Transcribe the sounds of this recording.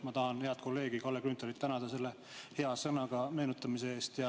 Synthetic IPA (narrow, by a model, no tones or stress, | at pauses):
mɑt̪ɑɦɑnhe̞ɑlt̪̚ko̞lːe̞ːɡikɑlːekrynt̪ːˑɑɾit̪ːænɑd̪̥ɑse̞lːe | he̞ɑsɤnɑɡ̥ɑme̞ːnut̪ːˑɑmise̞eːst̪jɑ